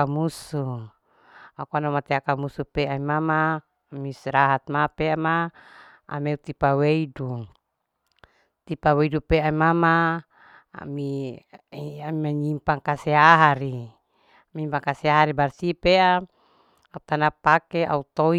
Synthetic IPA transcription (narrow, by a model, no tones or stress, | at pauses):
amusu | akuanomat̪eakamusupeaimamaː | misɾaɦat̪̚mapeama | a̰meut̪ipaweidu | t̪ipaweidupeaimama | a̰mi | amimaɲimpaŋkaseaɦaɾi | amiɲimpaŋkaseaɦaɾibarsipeʔa | aut̪anapakeʔa̰ut̪o